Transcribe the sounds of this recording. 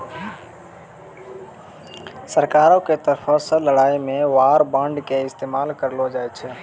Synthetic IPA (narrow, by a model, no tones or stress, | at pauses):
səɾkaːɾõket̪əɾpʰɔ̃sələɽaːimẽʋaːɾbə̃ɳɖkeɪst̪eːmaːlkəɾlod͡ʒajt͡ʃʰɛ